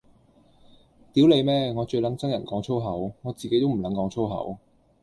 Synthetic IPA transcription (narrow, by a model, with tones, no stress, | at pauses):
t̪iː˨˥wle˨˧jmɛː˥ŋɔː˨˧t͡ʃɵ˧ɥlɐ˨˥ŋt͡sɐ˥ŋjɐ˨˩nkɔː˨˥ŋt͡sʰo˥wɦɐ˨˥wŋɔː˨˧t͡siː˨ke˨˥jt̪o˥wm̩˨˩lɐ˨˥nkɔː˨˥ŋt͡sʰo˥wɦɐ̰˨˥w